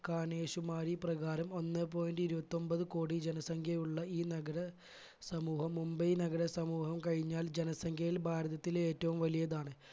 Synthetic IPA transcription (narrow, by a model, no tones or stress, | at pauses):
kaːneːɕumaːɾiprɐɣaːɾɐmo̞nːɨpoːjindɨiɾubɐt̪ːo̞mbɐðɨkoːɽid͡ʑenɐsɐŋkʰjɐjuɭːɐiːnɐɡɐɽɐ | sɐmuːhɐmːumbɐjnɐɡɐɽɐsɐmuːɦɐmkɐɻiɲːaːld͡ʑenɐsɐŋkʰjɐjilbʱaːɾɐðɐt̪ːile̞ːtːɐʋumʋɐlijɐðaːɳɨ